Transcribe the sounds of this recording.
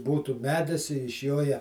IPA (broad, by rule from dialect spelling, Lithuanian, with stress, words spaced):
ˈbuːtuː ˈmʲæːdʲɪs ɪʃ ˈjoː jɛ